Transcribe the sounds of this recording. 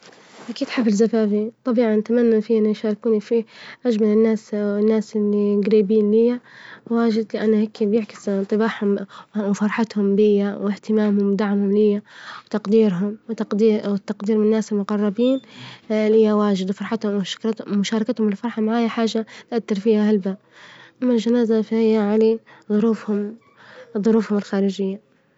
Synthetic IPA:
ʔakiːd̪ħabɪlzafaːfit̪ˤɑbiːʕɑnat̪amanːafiːʔɪnːajʃaːɾɪkuːnifiʔad͡ʒmalɪnːaːsɪnːaːsʔɪlːiɡɾiːbiːnlɪjawaːʒɪd̪lɪʔanːaheːkʰibjɪʕkɪ̥st̪ˤɨbaːħhʊmwfɑɾˤħɑt̪hʊmbɪjːawɪht̪ɪmaːmhʊmwd̪aʕmhʊmlɪjːawt̪ɑqd̪iːɾɦʊmwt̪ɑd̪iwɪt̪ːɑqd̪iːɾmɪnːaːsɪlmʊqɑrˤːɑbiːnlɪjːawaːʒɪd̪wfɑɾˤħɑt̪hʊmwʊʃḁkɾmʊʃɑːɾˤɑkat̪hʊmɪlfɑɾˤħɑmaʕaːjaħaːʒat̪ʔat̪ːɪɾfiːhahalbaːb̚ | ʔamːalʒanaːzafahɪjːaʕaleðˤʊɾuːfhʊm | ðˤʊɾuːfhʊmɪlxaːɾɪd͡ʒɪjːa

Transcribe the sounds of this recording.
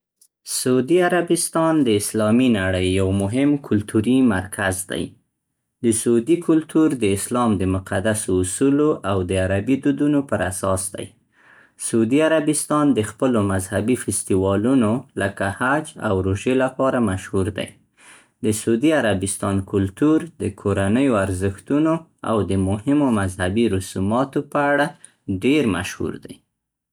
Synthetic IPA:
saud̪iaɾabɪst̪ɑnd̪əɪslɑminaɽəjːawmʊɦɪmkʰʊlt̪ʰuɾimaɾkʰazd̪a̰j | d̪əsaud̪ikʰʊlt̪uɾd̪əɪslɑmd̪əmʊqad̪asoːsuloʔawd̪əaɾabid̪ud̪unopəɾasɑsd̪a̰j | saud̪iaɾabɪst̪ɑnd̪əxpəlomazhabifɪst̪iwɑlunoləkahad͡ʒa̰wɾoʒelapɑɾamaʃhuɾd̪a̰j | d̪əsaud̪iaɾabɪst̪ɑnkʊlt̪uɾd̪əkʰoɾanəjoaɾzəxt̪unoa̰wd̪əmʊhɪmomazhabiɾʊsumɑt̪opəaɽa | ɖeɾma̰ʃhṵɾd̪a̰j

